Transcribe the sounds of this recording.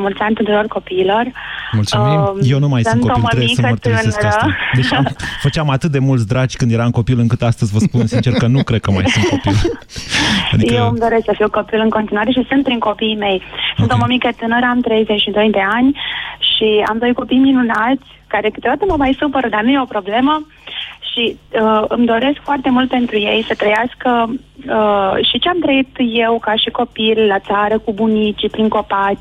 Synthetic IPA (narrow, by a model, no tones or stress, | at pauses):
mult̪sʲanʲt̪unt̪uɾo̞rko̞piːlo̞r | mult̪suimjewnumajsunoilməɾemeiksəət̪ɨnəɾəd̪eʃfət͡ʃamat̪ɨt̪̚d̪e̞mult̪s̬ʲd̪ɾad͡ʒʲkɨnd̪je̞ɾamko̞pilɨŋkɨt̪ast̪əzʲvəspunnsint͡ʃerkənukɾed̪̚kəma̰jsunt̪kopil | a̰d̪ijewmd̪o̞ɾest̪səfiwko̞pilɨŋko̞nt̪inuwaɾe̞ʃ̬isunt̪̚pɾiŋko̞pijme̞jsunt̪umomiket̪ɨnəɾamt̪ɾe̞jzet͡ʃʃid̪o̞jd̪e̞anʲʃia̰md̪o̞jko̞pijminunat̪sʲkaɾekɨt̪jod̪at̪əməmajsupəɾəd̪arnujeo̞pɾo̞ble̞mə | ʃiəɨmd̪o̞ɾe̞skfoart̪e̞mult̪̚pe̞nt̪ɾuje̞jsət̪ɾəjaskəəʃit͡ʃeamt̪ɾəit̪je̞wkaʃiko̞pillat̪saɾəkubunit͡ʃipɾiŋko̞pa